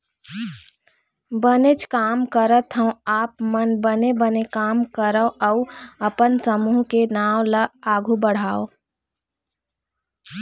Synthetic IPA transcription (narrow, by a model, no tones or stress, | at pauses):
bənet͡ʃkaːmkəɾət̪ɦə̃õaːpmənbənebənekaːmkəɾəəʊəpənsəmuːɦkenaːwləaːɡʱubəɽ̤aːo